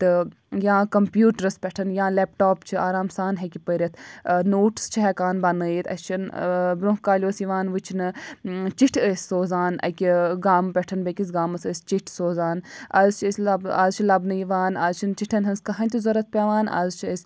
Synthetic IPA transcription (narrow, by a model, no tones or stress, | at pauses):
t̪ɨ | jãːkɐmpjuːʈɾɐspʲɛʈʰɐnjãːleːpʈoːpt͡ʃʰiaːɾaːmsaːnɦekʲipəɾʲɐt̪ʰnoːʈst͡ʃʰiɦɛkaːnbɐnɨːjit̪ʰɐ̰st͡ʃʰinbɾõɦkaːlʲjoːsjiʋaːnʋɨt͡ʃʰinɨt͡ʃiʈʰəsʲsoːzaːnɐ̰kʲiɡaːmpʲɛʈʰɐnbekʲis̬ɡaːmɐsəsʲt͡ʃiʈʰsoːzaːnɐzt͡ʃʰəsʲlɐbɐzt͡ʃʰilɐbnɨjiʋaːnɐzt͡ʃʰint͡ʃiʈʰɐnɦɐnskɐɦɐnʲt̪uzɐɾɐt̪̚pʲeʋaːnɐ̰zt͡ʃʰisʲ